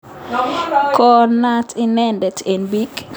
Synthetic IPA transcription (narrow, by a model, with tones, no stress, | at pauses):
kɔna˦tʰinɛndɛ˨te˨nbi˦k